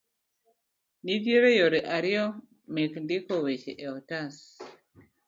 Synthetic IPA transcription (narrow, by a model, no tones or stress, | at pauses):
niðjeɾɛjoɾeʔaɾiɔ | mekndikɔwet͡ʃḛʔɛɔtas